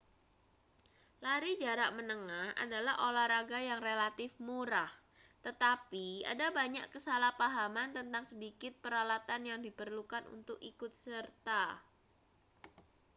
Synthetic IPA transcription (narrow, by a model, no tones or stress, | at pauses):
laɾid͡ʒaɾaʔmənəŋaha̰dalahʔolahɾaɡajaŋrelat̪ɪfmuɾah | t̪ət̪apia̰dabaɲa̰ʔkəsalahpaɦamant̪ənt̪aŋsədikɪt̪̚pəɾalat̪anjaŋdipərlukanṵnt̪ʊkikʊt̪̚sərt̪a